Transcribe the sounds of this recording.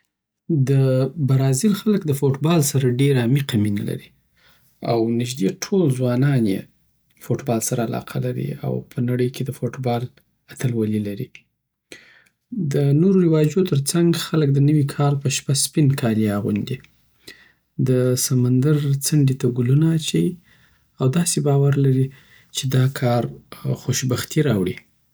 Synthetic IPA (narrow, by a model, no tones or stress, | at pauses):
d̪əbaɾɑzɪlxaləkd̪əfoʈbɑlsaɾaɖeɾamiqaminala̰ɾi | a̰wnɪʒd̪eʈʰolzwɑnɑnjḛ | foʈbɑlsaɾaːlɑ̰qʰalaɾḭa̰wpʰənaɽəjkʰed̪əfoʈbɑl | at̪əlwalilaɾi | d̪ənoɾoɾɪwɑd͡ʒot̪əɾt͡saŋɡxalək̚d̪ənəwikʰɑlpəʃpaspinkʰɑleaɣṵnd̪i | d̪əsamand̪aɾt͡səɳɖit̪aɡulunaːt͡ʃai | awd̪ɑsebɑwaɾlaɾi | t͡ʃed̪ɑkʰɑɾxoʃbaxt̪iɾɑwɽi